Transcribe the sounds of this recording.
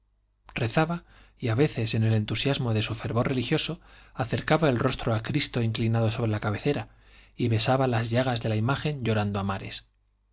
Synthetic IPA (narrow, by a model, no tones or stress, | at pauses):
re̞θaβa | iaβe̞θe̞se̞ne̞le̞nt̪usjazmo̞ðe̞sufe̞ɾβo̞re̞lixjo̞so̞aθe̞ɾkaβae̞lro̞st̪ɾo̞akɾist̪oiŋklinaðo̞so̞βɾe̞lakaβe̞θe̞ɾa | iβe̞saβalazʝaɣ̞azðe̞laimaxe̞ɲʎo̞ɾand̪oamaɾe̞s